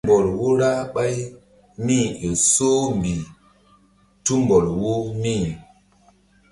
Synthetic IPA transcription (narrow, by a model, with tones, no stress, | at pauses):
bɔ˨lwo˦ɾa˦ɓa˦j | mĩ˦o˨so˦m˨bi˨ | tu˦mbɔ˨lwo˦mĩ˦˨